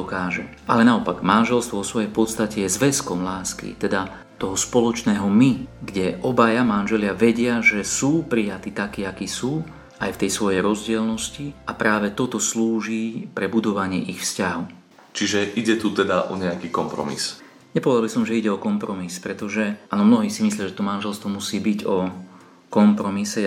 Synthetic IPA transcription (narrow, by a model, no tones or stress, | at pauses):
ɔkaːʒɛʔa̰lɛnaɔpaɡmanʒɛlst̪ʋɔʋɔsʋɔjɛjpɔt̪st̪acɛjɛzʋɛskɔmlaːskḭt̪ɛd̪a | t̪ɔɦɔspɔlɔt͡ʃnɛːɦɔmiɡɟɛʔɔbajamanʒɛlɪaʋɛɟɪaʒɛsuːpɾijat̪iːt̪akiːakiːsuː | ajft̪ɛjsʋɔjɛjɾɔzɟɪɛlnɔsciapɾaːʋɛt̪ɔt̪ɔsluːʒiːpɾɛbud̪ɔʋaɲɪɛʔixfscaɦɔʊ | t͡ʃiʒɛʔiɟɛt̪ut̪ɛd̪aʔɔ̰ɲɛakiːkɔmpɾɔ̰mḭs | ɲɛpɔʋɛd̪albisɔmʒɛiɟɛɔkɔmpɾɔmispɾɛt̪ɔʒɛʔaːnɔmnɔɦiːsimislijaʒɛt̪ɔmanʒɛlst̪ʋɔmusiːbiɟɔ | kɔmpɾɔmisɛ